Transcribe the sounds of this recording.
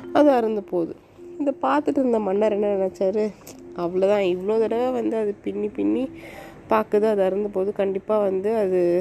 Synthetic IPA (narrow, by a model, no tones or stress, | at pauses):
ɐðɯɐɾɯnd̪ɯpoːðɯ | ɪðɐpaːɾt̪ɯʈːɯɾɯnd̪ɐmɐnːɐɾɛnːɐnɛnɛt͡ʃːaːɾɯɐʋɐɭoːt̪ãːɪʋɐɭoːt̪ɪɽɐʋeːʋɐnd̪ɯɐðɯpɪnːipɪnːipaːkɐðɯɐðɐɾɯnd̪ɯpoːðɯkɐɳɖɪpːaːʋɐnd̪ɯɐðɯ